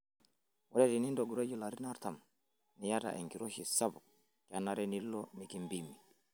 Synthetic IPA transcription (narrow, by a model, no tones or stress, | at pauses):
wɔdɛtinindɔɡuɾed͡ʒulaɾinaɾtam | nijata̰ʔɛ̰ŋkiɾoʃisabu | kanːaɾɛnilːɔmikimbimi